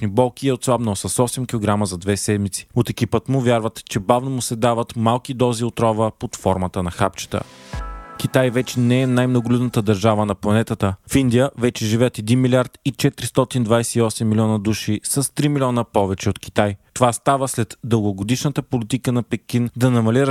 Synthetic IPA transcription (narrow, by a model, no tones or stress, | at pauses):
nibɔlˠkiɛot̪svˠabnosəsɔsɛmkʲilˠoɡɾaməzɐd̪vɛsɛd̪mit̪si̥ot̪ɛkipət̪mʊvʲjaɾvət̪t͡ʃɛbavnomusɛd̪avɐt̪malˠkid̪ɔziot̪ɾɔvəpot̪fɔɾmət̪ənɐxapt͡ʃə̥t̪ə̰ | kʲit̪ajvɛt͡ʃɛnɛɛnajmnoɡʊlʲud̪nət̪əd̪ɐɾʒavənɐplˠɐnɛt̪ət̪əfind̪ijəvɛt͡ʃɛʒivɛjət̪ɛd̪inmilʲiaɾt̪it͡ʃɛt̪ɾist̪ɔt̪ind̪vajsɛiɔsɛmːilʲiɔnəd̪uʃisɐst̪ɾimilʲiɔnəpɔvɛt͡ʃɛot̪ki̥t̪ajt̪ovast̪avəslɛt̪d̪əlˠɡoɡod̪iʃnət̪əpolit̪ikənɐpɛkind̪ɐnɐmɐlʲiɾ